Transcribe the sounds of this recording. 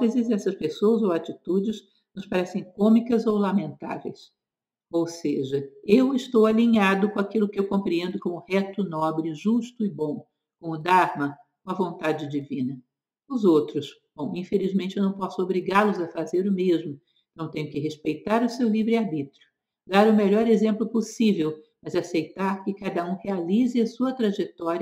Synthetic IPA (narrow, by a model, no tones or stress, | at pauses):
fezɪzɛsɐspesoɐzowat͡ʃit̪ud͡ʒɪz | nʊspaɾɛsẽj̃kõmikɐzowlamẽnt̪a̰vḛjs | owseʒɐewɪst̪owaliɲad̪ʊkõakilʊkɪewkõmpɾiẽnd̪ʊkõʊhɛt̪ʊnɔbɾɪʒuʃt̪ʊɪbõw̃ | kõʊd̪aɾmɐ | kõɐvõnt̪ad͡ʒɪd͡ʒivĩnɐ | ʊzowt̪ɾʊsb̥õw̃ĩfelizmẽt͡ʃɪewnɐ̃w̃p̬ɔsʊobɾiɡaɾlʊzɐfazeɾʊmezmʊeẽt̪ɐ̃ewt̪ẽɲʊkɪɦeʃpejt̪aɾʊsewlivɾɪaɾbit̪ɾʊ | d̪aɾʊmeʎɔɾezẽmplʊposivewmɐzasejt̪aɾkɪkad̪ɐũhealizɪɐsuɐt̪ɾaʒet̪ɔɾiɐ